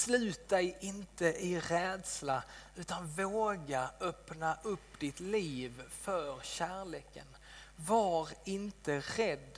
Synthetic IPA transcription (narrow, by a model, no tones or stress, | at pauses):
slʉ̟ːt̪̚d̪ɛjɪnt̪əʔɪɾɛːd̪slaʉ̟ːt̪anvoːɡaœpnaʔɵpːd̪ɪt̪liːvfœɾɕæːɭeːkʰə̰n | vaɾɪnt̪əɾɛd̪ː